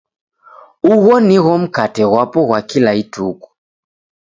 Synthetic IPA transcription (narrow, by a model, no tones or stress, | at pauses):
uɣɔniɣɔm̩katɛɣwapɔɣwakilaituku̥